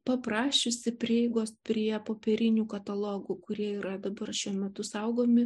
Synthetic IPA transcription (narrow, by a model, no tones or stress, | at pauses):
pɐpɾɑːʃʲɪsʲɪpʲɾʲiɛɪɡoːspʲɾʲiɛpoːpʲɛɾʲɪnʲuːkɐt̪ɐlˠoːɡuːkʊɾʲiɛiːɾɐd̪ɐbɐrʃʲuɔmʲɛt̪ʊsɐʊɡoːmʲɪ